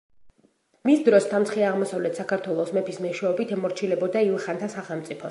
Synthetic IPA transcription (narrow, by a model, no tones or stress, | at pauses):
misd̪ɾɔst̪ʰamt̪sʰχiaʁmɔsavlɛt̪ʰsakaɾt̪ʰwɛlˠɔsmɛpʰismɛʃwɛɔbit̪ʰɛmɔɾt͡ʃʰilɛbɔd̪aivɛχant̪ʰasaχɛlˠmt̪sʼipʰɔ